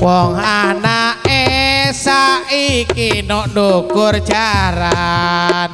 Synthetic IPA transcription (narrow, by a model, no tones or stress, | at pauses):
wɔŋanaesaikinɔʔndoɡ̥ʊr̥d͡ʒaɾa | n